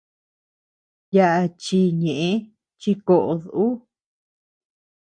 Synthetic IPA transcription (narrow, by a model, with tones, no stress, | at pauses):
ja˧ʔa˧t͡ʃi˧ɲẽ˨ʔẽ˧˦ | t͡ʃi˧ko˧ʔo˧ðu˧ʔu˦